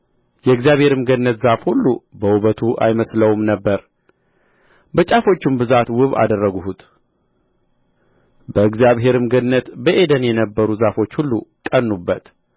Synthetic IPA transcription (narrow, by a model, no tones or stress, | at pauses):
jɛɨɡzjaβhe̞ɾɨmɡənːət̪zafhulːubəwuβət̪ʰuʔa̰jməsləwmnəbːəɾ | bət͡ʃʼafo̞t͡ʃːumbɨzat̪wɨβa̰d̪ərːəɡuhut̪ | bəɨɡzijaβɦe̞ɾɨmɡəd̪nːət̪bəʔe̞d̪ənjɛnəbːəɾuzafo̞t͡ʃːhulːukʼənːubːət̪